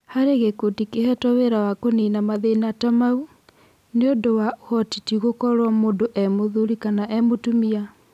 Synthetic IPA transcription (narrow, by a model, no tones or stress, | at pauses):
haɾeɣekotikehɛtɔweɾawakonenamaðenatamau | neondowahɔtitiɣokɔɾwamoːndoʔɛmoðuɾikanaʔɛmotumia